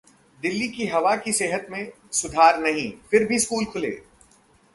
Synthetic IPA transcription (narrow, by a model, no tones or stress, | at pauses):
d̪ɪlːikiɦɐʋakiseːɦət̪mẽ | sʊd̪ʱaːɾnɐɦĩfɪɾbʱiskuːlkʰʊlḛː